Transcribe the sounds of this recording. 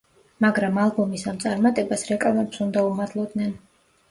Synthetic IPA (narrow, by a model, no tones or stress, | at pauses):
maɡɾamalˠbɔmisamt̪sʼaɾmat̪ʼɛbasɾɛkʼavmɛpsund̪aumad̪lˠɔd̪nɛn